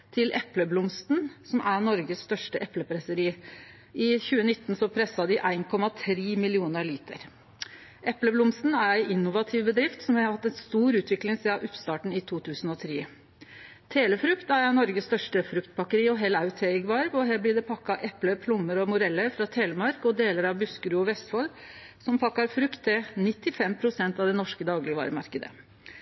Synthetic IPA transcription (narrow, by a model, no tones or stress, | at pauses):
t̪ʰɪlʔɛpləblʊmst̪nsɔmʔænɔɾɡəsst̪œʂʈəʔɛpləpʰɾæsəɾiː | ʔɪçʉːənɪt̪ːn̩sɔpʰɾɛsɑd̪ɪʔæɪnkʰɔmɑt̪ʰɾiːmɪlɪuːnəɾliːt̪ʰə̰ɾ | ʔɛpləblʊmst̪n̩æɾæɪʔɪnːʊʋɑt̪ʰɪʋbəd̪ɾɪft̪sɔmhæɑhɑt̪ːɛnst̪uːɾʉːt̪ʰʋɪklɪŋsiɑʔʉpst̪ɑːʈɳ̩ɪt̪ʰuːt̪ʰʉːsən̩ɔt̪ʰɾeː | t̪ʰeːləfɾʉkt̪æɾænɔɾɡəst̪œʂʈəfɾʉkt̪̚bɑkəɾiːɔɦɛlaʉt̪ʰɛɡʋɑɾʋɔɦæːblɪd̪ɛpʰɑkːɑʔɛpləpʰlʊmːəɾɔmʊɾɛlːəɾfɾɑt̪ʰeːləmɑɾkɔd̪eːləɾɑʋbʉskəɾʉːɔʋɛst̪fɔl | sɔmpʰɑkːɑɾfɾʉkt̪ʰːɪnɪt̪ːɪfɛmpʰɾʊsɛnt̪ɑʋd̪ɛnɔʂkəd̪ɑːɡlɪɡəʋɑ̰ːɾəmɑ̰ɾkəd̪ə̰